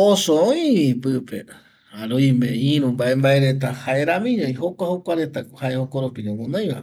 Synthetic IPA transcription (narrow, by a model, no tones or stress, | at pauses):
osoojĩpɨpe | aɾoimẽĩɾũmbaʔe̞mbaʔe̞ɾe̞t̪̬ahaʔe̞ɾãmĩɲõj̃ɦokʷahokʷaɾe̞t̪ahaʔehokoɾopiɲõwõnãj̃βa̰e